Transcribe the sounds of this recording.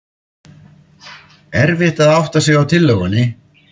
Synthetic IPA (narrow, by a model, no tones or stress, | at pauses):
ɛɾvɪht̪aðawht̪asjɛɣawt̪ʰɪlːœɣʏnːɪ